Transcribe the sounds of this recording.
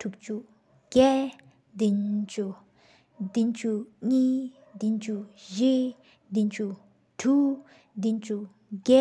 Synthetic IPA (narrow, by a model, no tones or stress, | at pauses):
tʰuk̚t͡ɕu | ɡ̥ɛ | d̪int͡ɕu | d̪int͡ɕʰuɲiː | d̪int͡ɕʰuʑe | d̪int͡ɕʰu | tʰu | d̪int͡ɕʰu | ɡɛ